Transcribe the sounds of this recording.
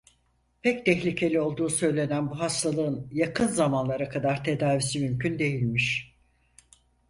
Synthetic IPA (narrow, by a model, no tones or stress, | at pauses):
pʰɛct̪ʰɛçlʲicʰe̞lʲio̞lˠd̪uːsø̞jlʲe̞nænbuɦast̪ʰalˠɯɯnjakʰɯnzamanlˠaɾakʰad̪aɾt̪ʰe̞d̪aːvisimymcʰynd̪e̞jilʲmiʃ